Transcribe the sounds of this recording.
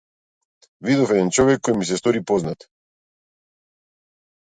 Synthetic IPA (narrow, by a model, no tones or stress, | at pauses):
vid̪ɔfɛd̪ɛnt͡ʃɔvɛkːɔjmisɛst̪ɔɾipɔznat̪